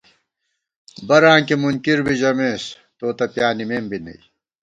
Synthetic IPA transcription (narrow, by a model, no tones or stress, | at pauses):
bɐɾãːŋkimunkiɾbiʑɐmeːs | t̪oːt̪ɐpjaːnimeːmbinɐ̰i